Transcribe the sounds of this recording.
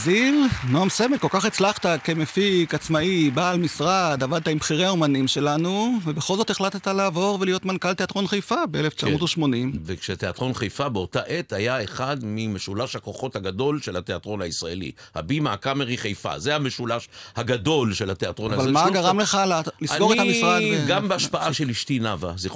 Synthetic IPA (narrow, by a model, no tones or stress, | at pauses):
zilnoamsemetko̞lkaχet͡slaχt̪akemefikat͡smaibaːlmisʁad̪avad̪̚t̪aimbχiʁeaomanimʃe̞lanuvebeχo̞lzo̞t̪eχlat̪t̪aleːvo̞ʁvelijo̞t̪mankalt̪eat̪ʁo̞nχejfabeeleft͡ʃamot̪oʃmo̞nimvekʃet̪eatʁo̞nχejfabeo̞taʔet̪hajaeχad̪mimeʃulaʃhakoχo̞thaɡado̞lʃelat̪eat̪ʁo̞naisʁaḛlḭ | ha̰bimaːkameʁiχejfa̰zeameʃulaʃhaɡado̞lʃelat̪eat̪ʁonavalmaɡaʁamle̞χallisanoethamisʁadvɡambeaʃpaʔaʃeliʃtinavazi